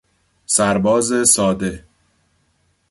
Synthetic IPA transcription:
sæɾbɒːze̞sɒːd̪e̞

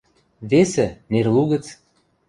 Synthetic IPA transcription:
vesĕnerluɣə̆t͡s

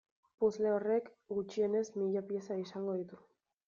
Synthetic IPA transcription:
puzle̞ore̞k | ɡut͡ʃie̞ne̞zmiʎapie̞saisaŋɡo̞ð̞it̪u

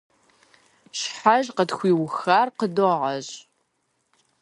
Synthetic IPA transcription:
ɕħaʒqətxʷiːwxaːrqədoʁʁɐɕʼ

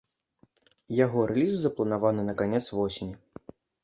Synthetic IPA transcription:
jaɣɔɾʔɛlʲizːɐplˠɐnavanɨnɐkanʲɛt̪svɔsʲɪnʲi

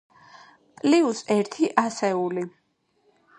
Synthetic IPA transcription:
pʼliusɛɾt̪ʰiʔasɛuli

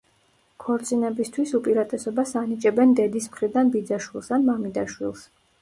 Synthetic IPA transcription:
kʰɔɾt̪sʼinɛbist̪ʰwisupʼiɾat̪ʼɛsɔbasanit͡ʃʼɛbɛnd̪ɛd̪ismχɾid̪anbid̪zaʃwilˠsanmamid̪aʃwilˠs

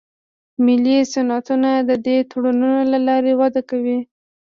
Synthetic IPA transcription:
mɪlisanɑt̪unad̪əd̪et̪oɽanunolalɑɾewad̪akawi

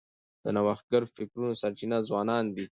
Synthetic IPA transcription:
d̪̥ənawɑxɡəɾfɪkɾunosaɾt͡ʃinazwɑːnɑnd̪i

